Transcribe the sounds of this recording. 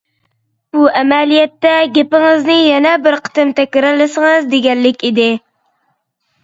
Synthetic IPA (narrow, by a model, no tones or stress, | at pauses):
b̥uɛmɛlijɛt̪ːɛɡʲepɪŋɨznɪjɛnɛbɪɾqʰə̥t̪ɨmt̪ʰɛkʲːɪɾɪlɪsɨŋɨzd̪eɡʲɛlːɪkʲid̪ɪ